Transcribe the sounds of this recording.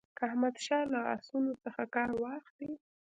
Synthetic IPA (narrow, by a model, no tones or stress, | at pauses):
kəahmad̪ʃɑlaa̰sunot͡səxakɑɾwɑxd̪i